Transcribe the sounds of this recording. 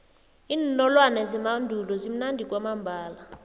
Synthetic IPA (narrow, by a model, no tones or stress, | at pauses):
iːnnɔlwanɛzimandʱulɔzim̩nandʱikʼwamambʱaːla